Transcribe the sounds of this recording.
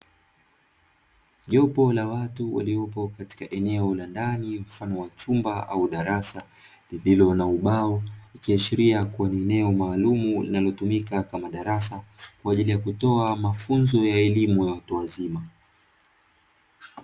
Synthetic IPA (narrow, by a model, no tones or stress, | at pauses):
ʄɔpɔlawatuwa̰liɔpɔkati̥kaʔɛnɛɔlandanim̩fanɔwat͡ʃumbaʔauɗaɾasa | lililɔnauɓaɔikiaʃiɾiakuwaniɛnɛɔmaːlumulinalɔtumikakamaɗaɾasakwaːʄilijakutɔamafunzɔjaɛlimujawatuwazima